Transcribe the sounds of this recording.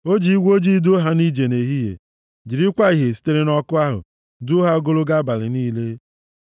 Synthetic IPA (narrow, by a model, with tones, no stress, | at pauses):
o˦d͡ʒi˨i˦ɡʷo˦d͡ʒi˦do˦ɦa˨ni˦d͡ʒe˨ne˨ɦi˦ɦḛ˨ | d͡ʒi˨ɾi˦kʷa˦i˨ɦe˨si̥˦te˦ɾe˦nɔ˦kʊ˦a˦ɦʊ̰˨ | dʊ˦ɦa˦o˦ɡo˦lʊ˦ɡa˦ba˨lɪ̰˨niː˦le˦